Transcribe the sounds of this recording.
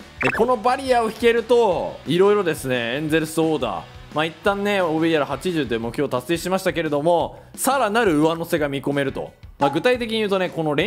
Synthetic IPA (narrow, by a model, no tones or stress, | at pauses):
eko̞no̞baɾʲiao̞çi̥ke̞ɾɯ̟t̪o̞iɾo̞iɾo̞d̪e̞sɨne̞ẽnze̞ɾɯ̟soːd̪a̰ | mait̪ːãnːe̞oːβeijaɾahat͡ɕiʑɨːd̪emokɯ̟̥ço̞ːt̪ase̞ːɕimaɕi̥t̪ake̞ɾe̞d̪o̞mo̞ | saɾanaɾɯ̟ɯ̟βano̞se̞ɡamʲiko̞me̞ɾɯ̟t̪o̞̰maɡɯ̟t̪ait̪e̞kʲiɲ̟iɯ̟ːt̪oe̞ko̞no̞ɾẽ̞